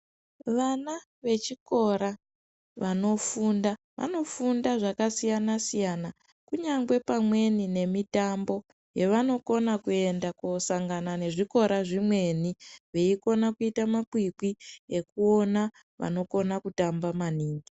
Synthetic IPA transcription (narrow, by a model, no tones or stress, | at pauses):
ʋana | ʋe̞t͡ʃiko̞ɾa | ʋano̞funda | ʋʔa̰no̞fundaʐakasijanasijana | kuɲaŋɡwe̞pamwe̞nine̞mitambo̞ | je̞ʋano̞ko̞nakue̞ndakosaŋɡanane̞ʐiko̞ɾaʐimwe̞niʋeiko̞nakuitamakwikie̞kuo̞na | ʋa̰no̞ko̞nakutambamaniːŋɡi